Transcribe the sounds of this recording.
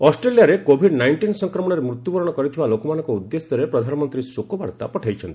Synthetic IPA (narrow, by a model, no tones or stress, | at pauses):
ɔsʈɾelijaɾekobʱiɖnajɳʈinsɔŋkɾɔmɔɽ̃ɔɾemɾut̪jubɔɾɔɽ̃ɔkɔɾit̪ʰibalokɔmanɔ̃ŋkɔud̪ːesjɔɾepɾɔd̪ʱanɔmɔnt̪ɾisokubaɾt̪a̰pɔʈʰajt͡ʃʰɔnt̪i̥